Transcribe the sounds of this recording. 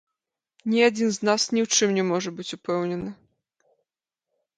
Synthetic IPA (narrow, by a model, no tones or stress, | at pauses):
nʲiad͡zʲinznasnʲiwt͡ʂɨmnʲɛmɔʐɐbɨt͡sʲupɛwnʲɛnɨ